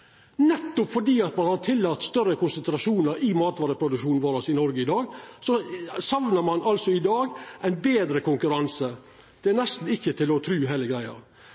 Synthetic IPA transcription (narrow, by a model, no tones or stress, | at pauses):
nɛt̪ːʊpfɔɖiːɑt̪mɑnhɑɾʈ̪ʰɪlːɑːt̪ːst̪œɾəkʊnsənt̪ɾɑʂuːnəɾʔɪmɑːt̪ʋɑːɾəpʰɾʊd̪ʉkʃuːnn̩ʋoːɾɑsɪnɔɾɡəɪd̪ɑːɡsɔsɑʋnəɾmɑnʔɑlsɔɪd̪ɑːɡʔæɪnbeːd̪ɾəkʊŋkʉɾɑnsə | d̪̥ɛænɛst̪n̩ɪçːət̪ʰɪlɔt̪ʰɾʉːɦæːləɡɾæɪɑ̰ɾ